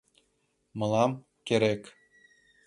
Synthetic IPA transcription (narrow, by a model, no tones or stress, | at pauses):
mɤ̆lˠɑm | kʲeɾek